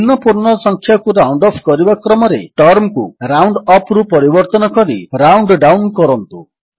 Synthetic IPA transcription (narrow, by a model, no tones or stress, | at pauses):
inɔpuɾnɔɾɔsɔŋkʰjakuɾawɳɖɔpʰkɔɾibakɾɔmɔɾeʈɔɾmkuɾawɳɖɔpʰɾupɔɾibɔɾt̪ɔnɔkɔɾiɾawɳɖɖawnkɔɾɔnt̪u